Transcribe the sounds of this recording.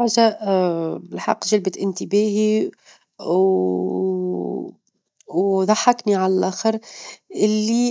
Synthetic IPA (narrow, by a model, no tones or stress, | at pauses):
ʕza | bɪlħɑ̰qːʒalbɪt̪ʔɪnt̪ibæːhi | wðˤɑħːɑkniʕalælʔæːxəɾʔɪlːi